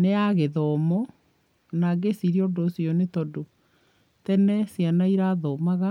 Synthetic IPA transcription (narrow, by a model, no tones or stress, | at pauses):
neaɣeðɔmɔ | naɡesiɾiɔndosjɔnetɔdo | tɛnɛsjanaiɾaðɔmaɣa